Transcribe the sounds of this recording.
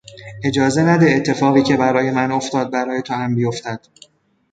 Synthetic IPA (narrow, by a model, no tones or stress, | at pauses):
ʔe̞d͡ʒɒːze̞næd̪e̞ːt̪ʰːe̞fɒːɣiːcʰe̞bæɾɒːje̞mæno̞ft̪ɒːd̪̚bæɾɒːje̞t̪ʰohæmbijo̞ft̪æd̪̥